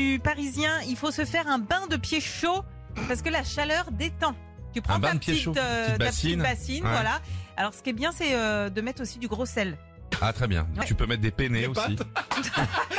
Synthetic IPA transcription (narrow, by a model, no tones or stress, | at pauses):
ypaʁizjɛ̃ilfosəfɛʁɛ̃bɛ̃d̪əpjeʃo | paʁsə̥kəlaʃalœʁd̪et̪ɑ̃ | t̪ypχɑ̃tbɛ̃ad̪pjeitoøb̪atiinbasinvwalaalɔʁsə̥kʲiɛbjɛ̃sɛød̪əmɛt̪χosid̪yɡʁosɛl | a̰t̪χɛbjɛ̰̃wɛt̪ypømɛt̪̚d̪epeneoai